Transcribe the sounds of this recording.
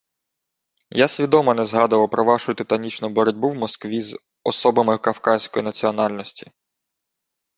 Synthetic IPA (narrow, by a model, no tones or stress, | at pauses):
jasʲʋʲid̪ɔmɔnɛzɦɑd̪ɐʋˠɐpɾɔʋɑʃʊt̪ɪt̪ɐnʲit͡ʃnʊbɔɾɔdʲbuwmɔskʋʲiz | ɔsɔbɐmɪkɐfkɑsʲkɔjinɐt͡sʲiɔnɑlʲnɔsʲtʲi̥